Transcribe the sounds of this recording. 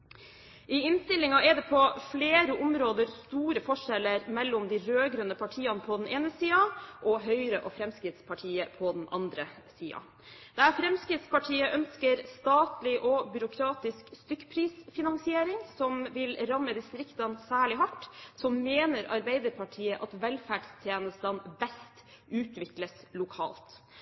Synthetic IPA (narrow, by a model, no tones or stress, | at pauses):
ʔɪɪnst̪ɪlːɪŋɑɛd̪ɛpʰɔfleːɾəʔʊmɾoːd̪əɾst̪uːɾəfɔʂɛlːəɾmɛlːʊmd̪ɪɾøːɡɾœnːəpʰɑʈʰiːɑnpʰɔd̪ɛnʔeːnəsiːɑʔɔɦœʏɾəʔɔfɾɛmskɾɪt̪spʰɑʈʰiːəpʰɔd̪ɛnʔɑ̰nd̪ɾə | siːɑ̰ | d̪̥ɛæfɾɛmskɾɪt̪spɑʈʰiːəʔœnskəɾst̪ɑːt̪lɪʔɔbʏɾʊkʰɾɑːt̪ɪskst̪ʏkːpʰɾiːsfɪnɑnsɪeːɾɪŋsɔmʋɪlɾɑmːəd̪ɪst̪ɾɪkt̪ɑnsæːɭɪɦɑʈːsɔmmeːnəɾɑɾbæɪd̪əɾpʰɑʈʰiːəʔɑt̪ʋɛlfæɖst̪ʰjeːnəst̪ənbɛst̪ | ʉːt̪ʋɪkləslʊkʰɑ̰ːlt̪